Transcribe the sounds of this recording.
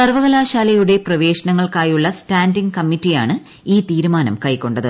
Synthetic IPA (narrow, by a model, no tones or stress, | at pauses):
sɐrʋɐɣɐlaːɕaːlɐjuɽe̞prɐʋe̞ːɕɐnɐŋːɐɭkaːjuɭːɐstaːndiŋɡkɐmːitːijaːɳɨ | iːt̪iːɾumaːnɐ̰mkɐjkːo̞ɳɖɐðɨ